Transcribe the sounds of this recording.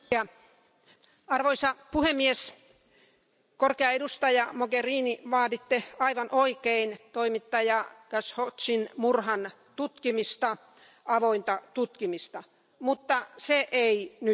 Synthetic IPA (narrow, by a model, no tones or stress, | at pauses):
ɑ | ɑrʋoisɑpuhemːies | korkeɑedust̪ɑjɑmoɡeriːniʋɑːdit̪ːeɑiʋɑnʔoikeint̪oimit̪ːɑjɑɡ̥æshot̪sinmurhɑn | t̪ut̪kimist̪ɑ | ʔɑʋoint̪ɑt̪ut̪kimist̪ɑ | mut̪ːɑseʔeiny